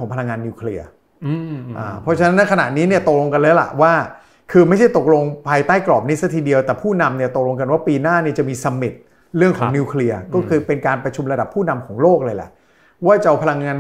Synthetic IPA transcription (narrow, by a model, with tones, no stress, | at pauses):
ɔː˩˦ŋpʰa˧la˧ŋːaː˧nːiː˧wkʰli˧ɐ | ʔaː˧˩pʰɔ˦˥t͡ɕʰa˧na˦˥nːa˦˥kʰna̰˨˩ʔniː˦˥ni˥˩ɐt̪o˨˩lo˧ŋka˧nlɤː˧˦˥la̰˨˩ʔwaː˥˩ | kʰɯː˧ma˥˩jt͡ɕʰa˥˩jt̪o˨˩k̚lo˧ŋpʰaː˧jt̪aː˥˩jklɔː˨˩p̚ni˦˥sa˧˥t̪ʰiː˧di˧əwt̪ɛː˨˩pʰuː˥˩na˧mni˥˩ɐt̪o˨˩k̚lo˧ŋk̬a˧nwaː˥˩piː˧naː˥˩ni˥˩t͡ɕa˨˩miː˧sa˧mːi˨˩t̪̚ | ɾɯ˥˩əŋkʰɔ˩˨˩ŋni˧wkʰli˧ɐkɔː˥˩kʰɯː˧pe˧nkaː˧npɾa˧t͡ɕʰu˧mɾa˧da˨˩pʰːuː˥˩na˧mkʰɔː˩˦ŋloː˥˩k̚lɤː˧jla̰˨˩ʔ | waː˥˩t͡ɕa˧wpʰa˧la˧ŋːaː˧n